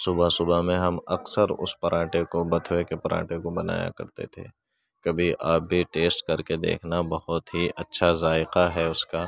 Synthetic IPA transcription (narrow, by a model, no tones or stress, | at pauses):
sʊbasʊbamẽɦɐmɐksəɾʊ̰spɐɾʔãːʈekobɐt̪ʰwekepɐɾã̰ːʈekobɐna̰ːja̰kɐ̰ɾt̪ḛt̪ʰḛː | kɐbʱiʔaːp̚bʱiʈeːsʈkɐɾked̪ḛːkʰnabɐhʊt̪ɦiʔɐtːʃʰazaːɪqaɦɛʊskaː